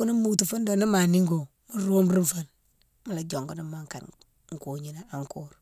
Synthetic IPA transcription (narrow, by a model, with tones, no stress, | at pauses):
ku˦ni˦mu˦tu˨fu˦ndo˨ni˦ma˨ni˦ŋɡo˨ | mu˦ɾo˦mɾi˦nfə˦n | mu˦la˨d͡ʒo˨ŋɡu˦ni˦ma˦ŋka̰˨n | ŋ̩˨ku˨ɲi˦na˦a˨ŋku˦ɾ